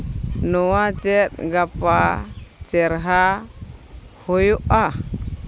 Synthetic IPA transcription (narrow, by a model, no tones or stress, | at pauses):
nɔwat͡ʃɛt̪̚ɡapat͡ʃɛɾɦa | hojɔʔa